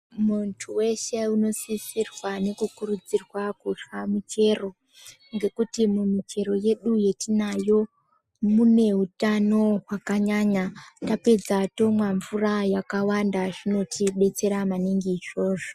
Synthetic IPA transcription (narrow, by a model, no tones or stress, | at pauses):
muntʰuwe̞ʃe̞uno̞sisirwane̞kukurud͡zirwakuʂamut͡ʃe̞ro̞ | ŋɡe̞kutimumit͡ʃe̞ɾo̞je̞ɗuje̞tinajo̞ | mune̞ɦutano̞ɦwakaɲaɲatape̞d͡zato̞mwaɱvurajakawandaʐino̞tʰiɓe̞t͡se̞ɾamaniŋɡiːʐo̞ːʐo